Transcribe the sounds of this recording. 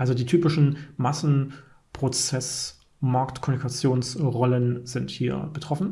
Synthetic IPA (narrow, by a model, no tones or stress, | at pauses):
ʔalzodiːtʰyːpɪʃn̩masn̩ | pʁ̥ot͡sɛs | maɐktkʰɔmunikʰat͡sjoːnsʁɔlənzɪnthiːɐb̥ətʁ̥ɔfn̩